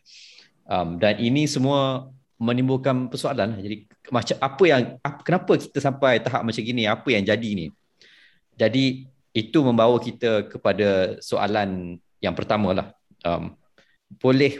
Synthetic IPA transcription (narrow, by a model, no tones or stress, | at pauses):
ʔamdanʔinĩsəmũə | mə̃nĩmbʊlkanpərsoalanlahd͡ʒadi | mat͡ʃaʔapəjaŋakənapəki̥t̪əsampajt̪aɦa̰p̚mat͡ʃamɡinĩapəjaŋd͡ʒadinĩ | d͡ʒadiː | t̪umə̃mbawəkit̪əkəpadasoʔa̰lan | jaŋpərt̪amə̃la̰h | ʔə̰m | b̥olɛh